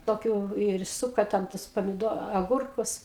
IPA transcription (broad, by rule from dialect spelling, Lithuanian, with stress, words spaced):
toːˈkʲuː ɪr ˈsʊkɐ tʲɛn ˈtʊs pɐmʲɪˈdoː ɐˈɡʊrkʊs